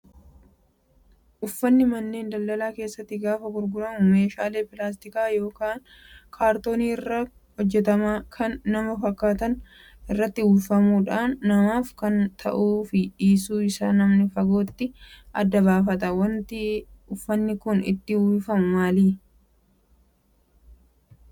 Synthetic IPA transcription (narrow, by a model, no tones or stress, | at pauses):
ʔʊfːɐnːɪmɐnːe̞ːnd̪ɐlːɐlaːke̞ːsːɐt̪ːɪɡaːfɐɡʊɾɡʊɾɐmʊme̞ːʃaːle̞ːpɪlaːst̪ɪkaːjo̞ːkaːn | kʰaːɾt̪o̞ːniːɪrːɐ | hɔd͡ʒːɛt̪ɐmaːkʰɐnːɐmɐfɐkːaːt̪ɐn | ʔɪrːɐt̪ːɪuːfɐmuːᶑaːnːɐmaːfkɐnt̪ʰɐʔuːfɪᶑiːs̬uːɪsaːnːɐmnɪfɐɡo̞ːt̪ːɪʔɐd̪ːɐbaːfɐt̪ɐwɐnt̪ɪʊfːɐnːɪkʊnɪ̰t̪ːɪhuːfɐmʊmaːliː